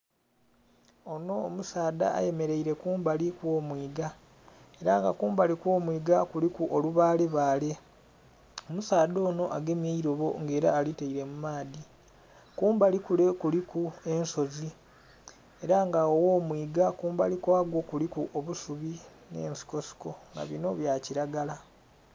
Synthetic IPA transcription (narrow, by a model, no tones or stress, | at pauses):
o̞no̞ːmusaːd̪a̰ːje̞me̞ɾe̞iɾe̞kuːmbalikwo̞ːmwiːɡa | e̞ɾa̰ŋɡa̰kuːmbalikwo̞ːmwiːɡakulikuʔoluβaːleβaːle̞ | o̞musaːdo̞ːno̞ʔaɡe̞mjeiɾo̞βo̞ŋɡe̞ːɾaːliteiɾe̞mumaːdi | kuːmbalikulekulikue̞nso̞zi | e̞ɾaŋɡaowo̞ːmwiːɡakuːmbalikwaːɡwo̞kulikuʔoβusuβi | ne̞̰ːnsi̥ko̞si̥ko̞ŋɡa̰βino̞βjaːciɾaɡala